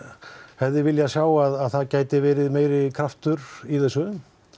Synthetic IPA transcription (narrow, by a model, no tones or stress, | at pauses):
hɛvðɪvɪljasjaːwaðaðθaðcaːjt̪ɪvɛːɾɪðmeːjɾɪkʰɾaft̪ʏɾiθɛsːʏ